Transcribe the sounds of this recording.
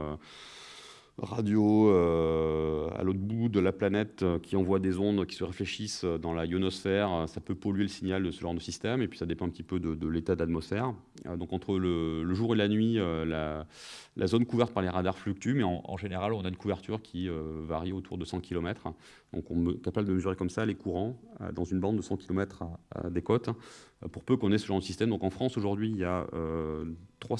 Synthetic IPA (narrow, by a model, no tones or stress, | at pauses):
ø | ʁad̪joø | a̰lot̪χbud̪əlaplanɛt̪økʲiɑ̃vwad̪ezɔ̃d̪kʲi̥səʁefleʃisød̪ɑ̃lajonɔsfɛʁøsapøpɔlɥeləsiɲald̪əsəʒɑ̃d̪əsist̪ɛmepɥi̥sad̪epɑ̃ɛ̃pət̪ipød̪əd̪əlet̪ad̪at̪mɔsfɛʁ | d̪ɔ̃kɑ̃t̪χələləʒuʁelanɥiøla | lʔa̰zɔnkuvɛʁt̪̚paʁleʁad̪aʁflyk̚t̪ymɛɑ̃ʔɑ̰̃ʒeneʁalɔ̃naynkuvɛʁt̪yʁkʲʰiøvaʁiot̪ʰuʁd̪əsɑ̃kʲilɔmɛt̪χ | d̪̥ɔ̃kɔ̰̃kapabləd̪əməzyʁekɔmsalekuʁɑ̃ø̰d̪ɑ̃zynbɑ̃d̪ːəsɑ̃kʲʰilɔmɛt̪χø̰d̪ekɔt̪puʁpøkɔ̃nɛsəʒɑ̃d̪əsist̪ɛmd̪ɔ̃kɑ̃fχɑ̃soʒuʁd̪ɥiljaø̰ | t̪χwa